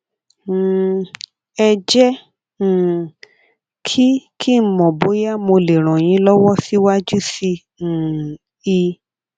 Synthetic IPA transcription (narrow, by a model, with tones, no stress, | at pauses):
ɛ˧d͡ʒɛ̃˦˨ | kʰi˦kʰi˦m̩˨˦˨mɔ̃˨bo˨˦ja˦mo˧le˨ɾ̃ɔ̃˨j̃ĩ˨˦lɔ˦wɔ˦si˦wa˦d͡ʒu˦sĩ˧˨ | i˧